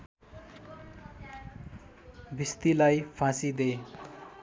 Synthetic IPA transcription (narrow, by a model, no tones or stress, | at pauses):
bʱist̪ilajpʰãsid̪e